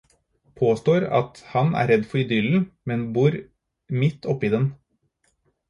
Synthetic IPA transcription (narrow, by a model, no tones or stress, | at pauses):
pʰoːst̪oːɾɑ̰t̪hɑnæ̰ːɾɛd̪fɔɾɪd̪ʏln̩mɛnbuːɾ | mɪt̪ːɔpːiːd̪ɛn